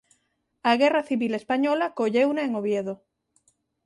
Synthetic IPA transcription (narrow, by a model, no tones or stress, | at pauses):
aɣe̞raθiβilespaɲolakoʎewnaeŋoβjeðo